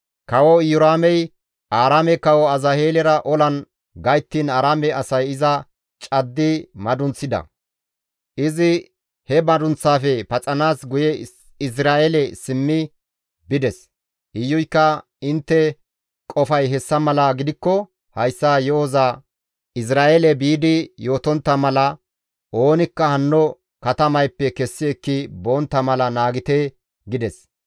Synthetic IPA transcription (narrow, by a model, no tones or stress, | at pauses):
kɐwɔjʊɾaːmɛj | ʔaːɾaːmɛkɐwɔɐzɐheːlɛɾɐʔɔlɐn | ɡɐjt̪ːinaːɾaːmɛɐsɐjɪzɐ | t͡ʃʼɐd̪ːɪmɐd̪ʊnt͡sːɪd̪ɐ̰ | ʔɪzɪ | hɛbɐd̪ʊnt͡sːaːfɛpɐt͡sʼɐnaːsɡʊjɛ | ɪsɾaːelɛsɪmːɪ | bɪd̪ɛs | ʔɪjːʊjkːɐ | ɪnt̪ːɛ | kʼɔfɐjɦɛsːɐmɐlɐɡɪd̪ɪkːɔ | hɐjsːaːjɔoza | ɪs̬ɾaːʔelɛbiːd̪ɪjo̞ːt̪ɔnt̪ːɐmɐlɐ | ʔo̞ːnɪkːɐhɐnːɔ | kɐt̪ɐmɐjpːɛkɛsːɪɛkːɪboːnt̪ːɐmɐlɐnaːɡɪt̪ɛ | ɡɪd̪ɛs